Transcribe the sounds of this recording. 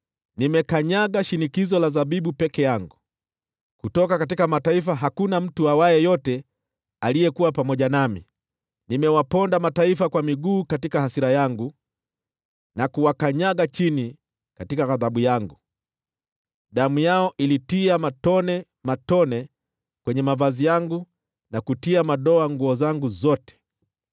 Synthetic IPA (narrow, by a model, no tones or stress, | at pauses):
nimɛkaɲaɠaʃinikizɔlazaɓiɓupɛkɛjaŋɡu | kutɔkakat̬ikamataifaɦakunam̩tuawajɛjɔtɛ | alijɛkuwapamɔʄanamḭ | nimɛwapɔndamataifakwamiɡuːkatikahasiɾajaŋɡu | nakuwakaɲaɠat͡ʃini | katikaɣaðaɓujaŋɡu | ɗamujaɔʔilitiamatɔnɛ | matɔnɛ | kwɛɲɛmavazijaŋɡu | nakutiamaɗɔaŋɡuɔzaŋɡuzɔtɛ̥